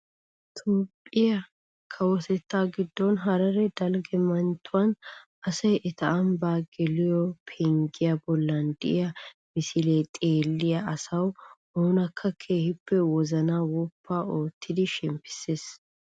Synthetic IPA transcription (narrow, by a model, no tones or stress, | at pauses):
t̪ʰopʼːɪjɐ | kʰɐwɔt̪ɛt̪ːaːɡɪd̪ːɔnɦɐɾɐɾɛd̪ɐlɡɛmɐnt̪ːʊwɐn | ɐsɐjʔɛt̪ɐʔɐmbaːɡɛlɪjɔpʰɛŋɡɪjɐbɔlːɐnd̪ɪʔɪjɐ | mɪsɪleːt̪ʼeːlːɪjɐʔɐsɐwhoːnɐkʰːɐkʰeːhɪpːɛwɔzɐnawʊpʰːaːo̞ːt̪ːɪd̪ɪʃɛmpːɪ̥seːs